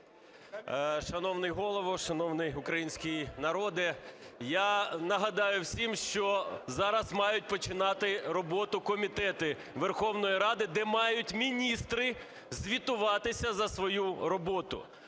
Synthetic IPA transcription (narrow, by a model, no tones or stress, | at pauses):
ʃɐnɔwnɪjɦɔlˠɔʋɔʃɐnɔwnɪjʊkɾɐjinʲsʲkʲijnɐɾɔd̪ɪjanɐɦɐd̪ɑjʊwsʲimʃt͡ʃɔzɑɾɐzmɑjʊt̚ʲpɔt͡ʃɪnɑt̪ɪɾɔbɔt̪ʊkɔmʲit̪ɛt̪ɪ | ʋerxɔwnɔjiɾɑd̪ɪd̪ɛmɑjʊtʲmʲinʲist̪ɾɪ | zʲʋʲit̪ʊʋɑt̪ɪsʲɐzɐsʋɔjuɾɔbɔt̪ʊ̰